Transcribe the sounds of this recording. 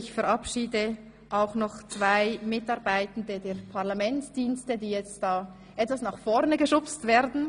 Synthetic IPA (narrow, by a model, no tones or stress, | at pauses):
çfɛɾʔɑpʃiːdə | ʔaʊxnɔχt͡sv̥aɪmɪtɑʁbaɪtən̩dədeːpʰaʁlamɛntd̥iːnstədiːjɛt͡std̥aː | ʔɛtv̥asnaχfɔʁnəɡəʃʊpstv̥eːɾdn̩